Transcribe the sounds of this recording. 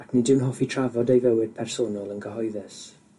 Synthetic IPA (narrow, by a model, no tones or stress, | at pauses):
kʰnidɪwnɦɔfitʰr̥avɔdejvəwɪd̥̚pʰɛrsoːnɔlˠənɡəɦɔjðɛs